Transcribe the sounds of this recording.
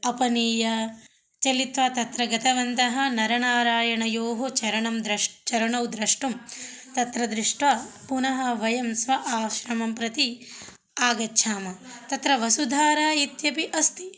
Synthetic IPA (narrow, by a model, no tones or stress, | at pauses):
ɐpɐniːjɐ | t͡ʃɐlit̪ʋɐt̪ɐt̪ɾɐɡɐt̪ʰɐʋɐnt̪ɐɦɐnɐɾɐɳaːɾaːjɐɳɐjoːɦot͡ʃɐɾɐɳɐmd̪ɾɐʂt͡ʃɐɾɐɳɐwd̪ɾɐʂʈumt̪ɐt̪ɾɐd̪ɾiʂʈʋɐpunɐɦɐʋɐjɐmsʋɐʔaːʃɾɐmɐmpɾɐt̪i | aːɡɐtːʃʰaːmɐt̪ɐt̪ɾɐʋɐsud̪ʱaːɾaːit̪jɐpiʔɐst̪i̥